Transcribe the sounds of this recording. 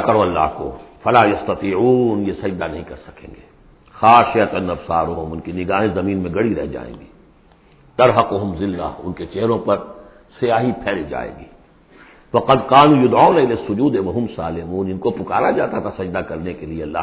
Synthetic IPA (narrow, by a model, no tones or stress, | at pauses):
kɐɾoɐlːa̰ːɦko̰fɐlaːjɐst̪ɐt̪iːʕuːnjesɐd͡ʒd̪anɐɦĩkɐɾsɐ̥kḛ̃ːŋɡeː | xaːʃɪɐt̪ɐnːɐfsaːɾʊɦʊmʊnkinɪɡaːɦẽzɐmiːnmẽɡɐɽiɾɛ̰ɦd͡ʒa̰ːḛ̃ːɡiː | t̪ɐɾɦɐqʊɦʊmzɪlːa̰ːʊ̰nket͡ʃeɦɾõpɐɾ | sɪjaːɦipʰɛːlid͡ʒa̰ːḛ̃ːɡiː | wɐqɐd̪qaːnũːjʊd̪ʕaːʊnaɪleːsːʊd͡ʒuːd̪eʋɐɦʊmsaːlɪmuːnɪnkopʊkaːɾad͡ʒaːt̪at̪ʰasɐd͡ʒd̪akɐɾnekelieɐlːa̰ː